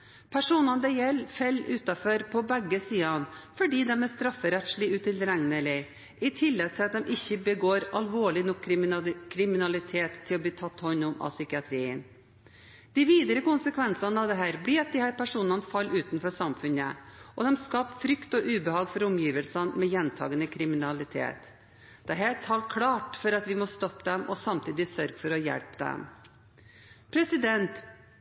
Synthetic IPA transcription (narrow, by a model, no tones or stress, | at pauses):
pʰæʂuːnɑnd̪ɛjɛlːfɛlːʉːt̪ɑfɔɾpʰɔbɛɡːəsiːɑnfɔɖiːd̪ɛmæst̪ɾɑfːəɾɛt̪ʂɭɪʉːt̪ɪlɾæŋnəɭɪ | ʔɪt̪ʰɪlːɛɡ̪̚t̪ʰɪlɑt̪d̪ɛmʔɪçːəbəɡoːɾɑlʋoːɭɪnɔkːkʰɾɪmɪnɑlɪt̪ʰeːt̪ʰːɪlɔb̪iːt̪ʰɑt̪ːhɔnːʊmɑ̰sʏkɪɑt̪ʰɾiːən | d̪̥ɪʋiːd̪əɾəkʊnsəkʰʋɛnsɑnəɑʋd̪ɛɦæːɾblɪɑt̪̚d̪ɪhæːɾpʰæʂuːnɑnəfɑlːʉːt̪nfɔʂɑmfʉnəʔɔd̪ɛmskɑːpfɾʏkt̪ɔʔʉːbəhɑːɡfɔɾʊmjiːʋəlsɑnmɛjɛnt̪ʰɑ̰ːɡənəkʰɾɪmɪnɑlɪt̪ʰḛːt̪ | d̪̥ɛɦæːt̪ʰɑlkʰlɑːʈfɔɾɑt̪ʋɪmɔst̪ɔpːd̪ɛmʔɔsɑmt̪ʰiːd̪ɪsœɾɡ̥fɔɾɔjɛ̰lpd̪ɛ̰m | pʰɾɛsɪd̪ɛnt̪